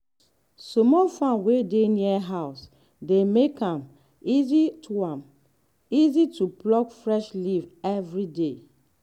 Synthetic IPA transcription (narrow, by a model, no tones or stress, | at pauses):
sɔmɔfãnwedeniɛɦaʊs | demekãm | izitʰuãm | izitʰuplɔkfɹɛʃlivɛvɹide